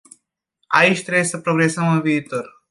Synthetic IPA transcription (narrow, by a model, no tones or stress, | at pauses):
a̰iʃt̪ɾebjesəpɾoɡɾesəməviːt̪oɾ